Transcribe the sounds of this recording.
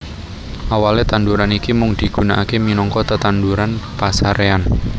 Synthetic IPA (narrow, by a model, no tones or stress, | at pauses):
ʔawalet̪anduɾanikimʊŋd̥i̤ɡ̥una̰ʔakeminɔŋkɔt̪ət̪anduɾanpasaɾʔean